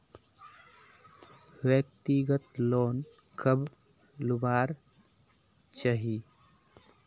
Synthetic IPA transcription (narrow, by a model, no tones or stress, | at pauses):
wjək̚t̪iɡət̪loːn | kəb | lubaːɾ | t͡ʃaɦi